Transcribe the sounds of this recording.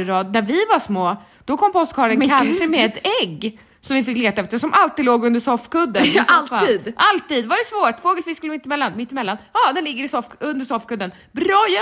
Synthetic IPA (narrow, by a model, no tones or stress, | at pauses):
ɾɑːd̪̚ːæɾvɪvaʂmoː | d̪̥ɔkʰɔmːpɔɔst̪kʰɑːɭənkkʰanʂəmɛɛt̪ɛɡː | sɔmvɪfɪkːleːt̪aɛft̪əʂɔmʔalt̪id̪loːɡɵnd̪əʂɔfkɵd̪ːənaltaiːd̪ʔalt̪iːd̪vaɖɛsvoːʈfoːɡəlfɪskəlmɪt̪ːɪmɛlːanmɪt̪ːɪmɛlːanhɑːd̪ɛnlɪɡːəɾɪsɔfɵnd̪əʂɔfkɵd̪ːən | bɾɑ